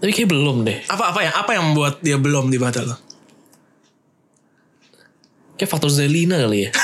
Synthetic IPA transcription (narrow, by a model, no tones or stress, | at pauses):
t̪apikabəlɔmneʔapaʔpajaŋʔapajaŋməmbuat̪̚diabəlɔmdibaɦat̪alɔ | kaafak̚t̪ɔrs̬elinakalija